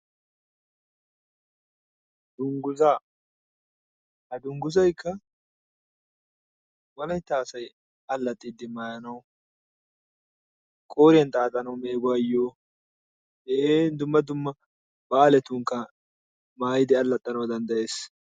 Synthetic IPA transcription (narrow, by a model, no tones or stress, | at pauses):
d̪ʊŋɡʊza | hɐd̪ʊŋɡʊzɐjkʰːɐ | wɔlɐjt̪aːsɐj | ɐlːɐt̪ʼːiːd̪ːɪmaːjɐnɐw | kʼoːɾɪjɐnt̪ʼaːt̪ʼɐnɐwmeːɡʊɐjːoː | eːnd̪ʊmːɐd̪ʊmːɐ | bɐːlɛt̪uŋkːɐ | maːjɪd̪ɪɐlːɐt̪ʼːɐnɐwd̪ɐnd̪ɐje̞ːs